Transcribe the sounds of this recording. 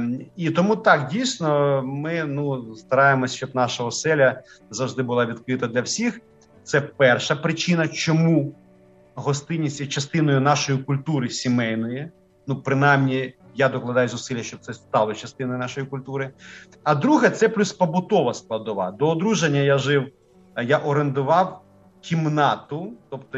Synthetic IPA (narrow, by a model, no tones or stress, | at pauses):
it̪ɔmut̪ɑkdʲijsʲnɔmɪnust̪ɐɾɑjemɔsʲt͡ʃɔbnɑʃɐɦɔsɛlʲɐ | zɐwʒd̪ɪbʊlˠɑʋʲid̪̚kɾɪt̪ɐd̪lʲɐwsʲix | t̪sɛpɛrʃɐpɾɪt͡ʃɪnɐt͡ʃɔmu | ɦɔst̪ɪnʲːisʲɐt͡ʃɐst̪ɪnɔjʊnɑʃɔjikʊlʲt̪uɾɪsʲimɛjnɔji | nupɾɪnajmnʲijad̪ɔklˠɐd̪ɑjʊzʊsɪlʲjɐʃt͡ʃɔb̚t̪sɛst̪ɑlˠɔt͡ʃɐst̪ɪnɔjʊnɑʃɔjikʊlʲt̪uɾɪ | ɐd̪ɾuɦɛt̪sɛplʲuspɐbʊt̪ɔʋɐsklˠɐd̪ʊʋɑ̰d̪ɔːd̪ɾuʒenʲːɐjaʒɪw | jaʔɔɾend̪ʊʋɑw | kʲimnɑt̪ʊt̪ɔpt̪ɔ